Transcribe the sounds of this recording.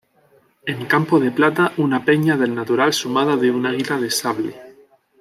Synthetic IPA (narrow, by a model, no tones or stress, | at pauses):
e̞ŋkampoð̞e̞plat̪aʔunape̞ɲaðe̞lnat̪uɾalsumað̞aðeunaɣilaðesaβle